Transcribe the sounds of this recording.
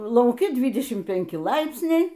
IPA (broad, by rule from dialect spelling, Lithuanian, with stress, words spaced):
lˠɐʊˈkʲɪ ˈdʲʋʲiːdʲɛʃʲɪm pʲɪŋʲˈkʲɪ ˈlˠɐɪpʲsʲnʲɛɪ